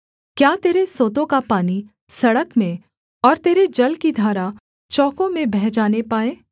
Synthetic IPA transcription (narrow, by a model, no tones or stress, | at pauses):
kjaːt̪eːɾesoːt̪õkapaːni | sɐɽəkmẽ | ɔːɾt̪eːɾed͡ʒɐlkid̪ʱaːɾa | t͡ʃɔːkõmẽbɛɦd͡ʒaːnepaːeː